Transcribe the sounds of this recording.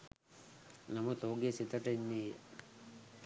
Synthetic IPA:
nɐmɐt̪oːɡesit̪ɐʈenːi

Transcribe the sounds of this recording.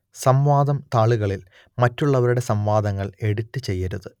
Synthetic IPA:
sɐmʋaːd̪ɐmt̪aːɭuɣɐɭil | mɐtːuɭːɐʋɐɾuɽe̞sɐmʋaːd̪ɐŋːɐɭe̞ɽut̪ːɨt͡ɕe̞jːɐɾuðɨ

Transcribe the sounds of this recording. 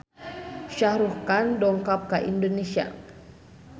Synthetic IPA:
ʃahɾuhkandɔŋkap̚kaʔindonesia̰

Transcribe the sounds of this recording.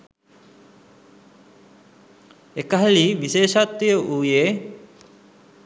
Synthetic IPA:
ekəɦaliʋiʃeːʃat̪ːijəʔuːjeː

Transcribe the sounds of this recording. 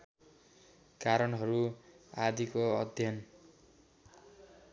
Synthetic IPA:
kaɾʌnɦʌɾuad̪ʱikoʌd̪ʱjʌn

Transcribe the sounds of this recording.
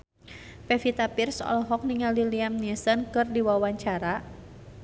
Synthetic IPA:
pɛfit̪apirsɔ̰lɔɦɔk̚niŋaliliamnɛsənkɨrdiwawaɲt͡ʃaɾa

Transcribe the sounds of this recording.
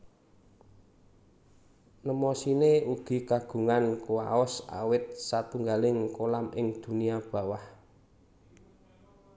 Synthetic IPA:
nəmɔsineuɡ̥i̤kaɡ̥ṳŋankua̰ɔsa̰wɪt̪̚sat̪uŋɡalɪŋkolamʔɪŋd̪̥ṳniab̥ä̤wah

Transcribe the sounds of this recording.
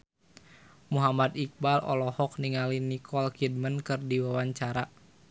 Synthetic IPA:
muɦamad̪ik̚balɔ̰lɔhɔk̚niŋalinikʰɔlkid̚mənkɨrdiwawaɲt͡ʃaɾa

